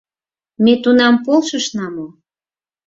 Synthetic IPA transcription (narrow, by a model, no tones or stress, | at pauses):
met̪unɑmpolʃəʃnɑmo